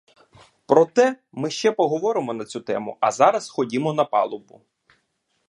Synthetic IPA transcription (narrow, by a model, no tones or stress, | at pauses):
pɾɔt̪ɛ | mɪʃt͡ʃɛpɔɦɔʋɔɾɪmɔnɐt͡sʲut̪ɛ̰mʊ̰ɐzɑɾɐsxɔdʲimɔnɐpɑ̰lˠɔbʊ